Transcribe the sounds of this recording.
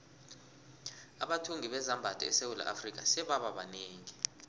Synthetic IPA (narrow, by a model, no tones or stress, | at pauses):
a̰ɓatʰuŋʱiɓɛzambʱad̥ʱɛ̰ɛsewula̰ʔafrik̬ʼa̰sɛɓaɓaɓaneːŋi